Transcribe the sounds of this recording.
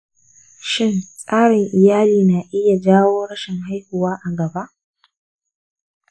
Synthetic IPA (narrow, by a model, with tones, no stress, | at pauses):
ʃɪ˦nsʼaː˦ɽɪ˨ŋʔɪ˨jaː˦liː˨na˨ʔɪ˦ja˨d͡ʒaː˦woː˦ɽɐ˦ʃɪ˨ŋɦa˦jhʊ˨waː˦ʔa˨ɡɐ˨ba˦ʔ